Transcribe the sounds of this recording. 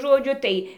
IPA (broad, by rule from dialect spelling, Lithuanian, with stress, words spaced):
ʒoːˈd͡ʒʲʊ ˈtɐɪ